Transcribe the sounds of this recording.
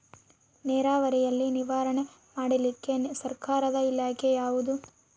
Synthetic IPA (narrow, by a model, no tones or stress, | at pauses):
nɛːɾaːʋɐɾijɐlːiniʋaːɾɐɳe | maːɽilikːe̞sɐɾkaːɾɐd̪ɐilaːkʰejaːʋud̪u